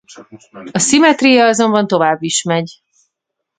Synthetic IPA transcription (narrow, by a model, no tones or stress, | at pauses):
ɒsimɛt̪rijɒɒzo̞mbɒnt̪o̞vaːbːiʃmɛɟ